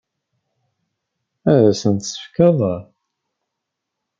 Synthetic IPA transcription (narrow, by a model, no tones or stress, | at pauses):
æɾæsənt̪sə̥fkɑðˤɑɾ